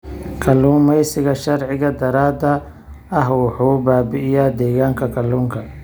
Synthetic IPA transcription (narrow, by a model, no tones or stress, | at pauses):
kʰɐluːmɛjsɪɣɐʃɐɾʕɪɣɐd̪ɐɾaːd̪ɐ | ɐɦwʊħuːbaːbɪʔɪjad̪ɛːɣaːŋkʰɐkʰɐlːuːŋkʰɐ